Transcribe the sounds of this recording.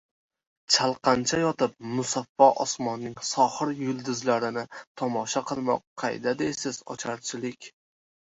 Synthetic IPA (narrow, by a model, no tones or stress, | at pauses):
t͡ʃʰalˠqʰɑnt͡ʃʰajɒt̪ɪp̚mʊsafːɒʔɒ̰smɒnːɪŋsɒhɨɾjʊlˠd̪ɪzlaɾɪnɪt̪ʰɒmɒʃaqɨlˠmɒ̰qqʰːɑ̰jd̪ad̪ejsɪz̥ɒ̰t͡ʃʰaɾt͡ʃʰɪlɪkʲ